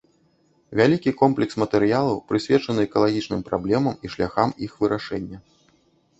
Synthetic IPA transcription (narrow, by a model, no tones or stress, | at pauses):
vʲalʲikʲikɔmplʲɛksmɐt̪ɛɾɨjalˠɐwpɾɨsʲvʲɛt͡ʂɐnɨɛkɐlˠaɣʲit͡ʂnɨmpɾablʲɛmɐmiʂlʲaxamixvɨɾʔaʂɛnʲːɐ